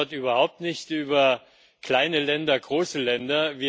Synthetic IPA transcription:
ɐtʔyːbɐhaʊp̚tnɪçtʔyːbɐ | kl̥aɪnəlɛndɐɡʁoːsəlɛndɐviːɐ

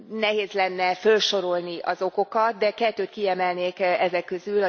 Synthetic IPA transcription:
nɛɦeːzlɛnːɛfølʃo̞ɾo̞lniɒ̰zo̞ko̞kɒt̪̚d̪ɛkɛt̪ːøːt̪kiɛmɛlneːkɛzɛkːø̞zylɒ

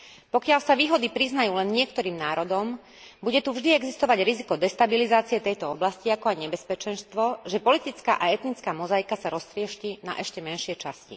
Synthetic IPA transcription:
pɔkɪalsaʋiːɦɔd̪ipɾiznajuːlɛnɲɪɛkt̪ɔɾiːmnaːɾɔd̪ɔm | buɟɛt̪uvʒd̪iɛɡzist̪ɔʋaɟɾizikɔd̪ɛst̪abilizaːt͡siɛt̪ɛjt̪ɔɔblasciakɔajɲɛbɛspɛt͡ʃɛnst̪ʋɔʒɛpɔlit̪it͡ska̰ːʔaɛt̪nit͡skaːmɔzajkasaɾɔst̪ɾɪɛʃcina̰ʔɛʃcɛmɛnʃɪɛt͡ʃascḭ

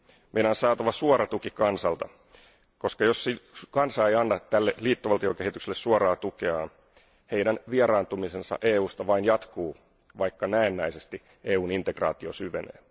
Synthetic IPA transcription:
mʔejnɑːnsɑːt̪ɑʋɑsuɑɾɑt̪ukikɑnsɑlt̪ɑ | ko̞skɑjosikɑnsɑːejɑnːɑt̪ælːeliːt̪ːoʋɑlt̪ioke̞hit̪ykselːessuɑɾɑːt̪ukeɑːn | he̞idænʋieɾɑːnt̪umisensɑ̰ʔeːuːst̪ɑʋɑinjɑt̪kuː | ʋɑikːɑnæenːæjsest̪i | eːuːnint̪eɡrɑ̰ːt̪iosyʋenḛː

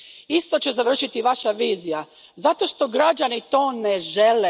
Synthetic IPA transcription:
ist̪o̞t͡ɕezaʋr̩ʃit̪iʋaʃaʋiːzija | zat̪o̞ʃt̪o̞ɡɾad͡ʒanit̪o̞ːneʒele

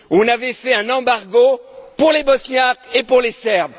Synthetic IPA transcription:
ɔ̃navɛfɛɛ̃nɑ̃baʁɡopuʁlebɔsnjakepuʁlesɛʁb

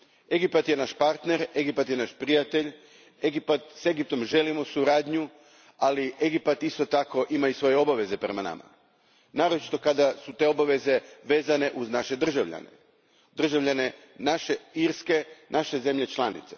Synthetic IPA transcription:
e̞ɡipat̪jenaʃpaɾt̪ne̞ɾe̞ɡipat̪jenaʃpɾijat̪e̞ʎ | e̞ɡipat̪se̞ɡip̚t̪o̞mʒe̞limosuɾaːd̪ɲu | aliʔe̞ɡipat̪ist̪o̞t̪ako̞ʔimaisʋo̞jeo̞baʋe̞ze̞pɾemana̰ma̰ | naːɾo̞t͡ʃi̥t̪o̞kad̪asut̪e̞o̞baʋe̞ze̞ʋe̞ːzane̞ʔuznaʃe̞d̪r̩ʒaʋʎa̰nḛ | d̪r̩ʒaʋʎane̞ | naʃeiɾske̞nʔaʃe̞ze̞mʎe̞t͡ʃlˠanḭt̪se

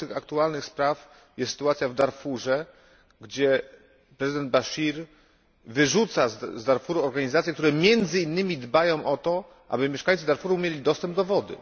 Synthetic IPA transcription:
t̪ɘxakt̪ualnɘxspɾaf | jɛst̪ːsɘ̥t̪uat̪sʲjavd̪aɾfuʐɛ | ɡd͡ʑɛ | pɾɛzɘd̪ɛnd̪̚baɕiɾ | vɘʐut̪sazd̪aɾfuɾuɔɾɡaɲizat̪sjɛkt̪uɾɛmʲjɛnd̪zɘinːɘmʲid̪bajɔ̃w̃ʔɔt̪ɔ | ʔa̰bɘmʲjɛʂkajt̪sɘd̪aɾfuɾumʲjelʲid̪ɔst̪ɛmb̚d̪ɔvɔd̪ɘ̰

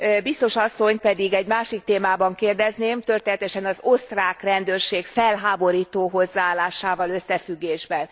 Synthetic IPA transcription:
bist̪o̞ʃɒsːo̞ɲpɛd̪iɡɛɟmaːʃik̚t̪eːmaːbɒŋkeːrd̪ɛzneːmt̪ø̞rt̪eːnɛt̪ɛʃɛnɒzost̪raːkrɛnd̪øːrʃeːkfɛlɦaːbo̞ɾiːt̪oːɦo̞zːaaːlːaːʃaːvɒløsːɛfyɡːeːʒbɛn

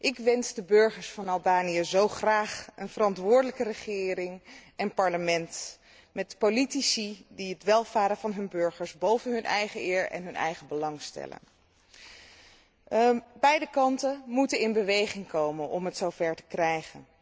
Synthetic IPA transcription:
ʔɪkʋɛnzdəbøɹχəɹsfɑnɑlˠbaːnijəzowχraːχənvərɑntʋʊːɹdələkərəχɪːrɪŋɛnpɑɹləmɛnt | mɛtpolitisidiɦətʋɛlˠvaːɾəvɑnɦɵnbøɹχəɹsbowvənɦɵnʔɛjχəɪːɹɛ̰nɦɵnɛ̰jχəbəlɑŋstɛ̰lə̰n | bɛjdəkɑntəmutənɪnbəʋejχɪŋkowmənʔɔ̰mɦətsowvɛɹtə̥krɛjχə̰n

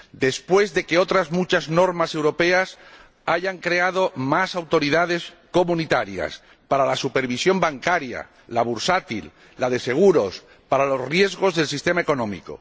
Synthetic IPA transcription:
d̪e̞spwe̞zðe̞ke̞o̞t̪ɾazmut͡ʃazno̞ɾmase̞wɾo̞pe̞as | aʝaŋkɾe̞að̞o̞masawt̪o̞ɾiðað̞e̞s | ko̞mũnit̪aɾja̰s | paɾalasupe̞ɾβisjo̞mbaŋkaɾja̰ | laβ̞uɾsat̪ḭlː | aðe̞se̞ɣ̞uɾo̞s | paɾalo̞srje̞zɣo̞zðe̞lsist̪e̞maeko̞nõ̞mḭko̰

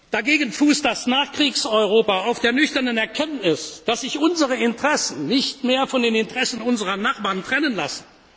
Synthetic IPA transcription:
d̥aɡeːɡən̩fuːsd̥asnaːχkʁ̥iːksɔʏʁoːpaaʊfd̥eːɐnʏçtɐnənɛɐkʰɛntnɪsd̥asz̥ɪçʔʊnzəʁəɪntəʁ̥ɛsn̩nɪçtmeːɐfɔndeːnɪntəʁ̥ɛsn̩ʊnzəʁɐnaχb̥aːʁntʁ̥ɛnənla̰sn̩

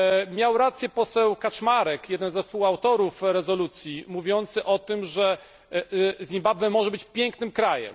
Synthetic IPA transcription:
mʲjawɾat̪sjɛpɔsɛwkat͡ʂmaɾɛkjɛd̪ɛnzɛsuxawt̪ɔɾufɾɛzɔlut̪sʲjimuvʲjɔnt̪sɘʔɔt̪ɘmʐɛ | zʲimbabvɛmɔʐɛbɘt͡ɕpʲjɛŋknɘmkɾajɛ̰m

